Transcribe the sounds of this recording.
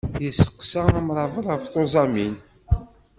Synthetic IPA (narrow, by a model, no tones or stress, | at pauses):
jəsə̥qːsaæmɾˤɑvəðˤaft̪ozˤɑmin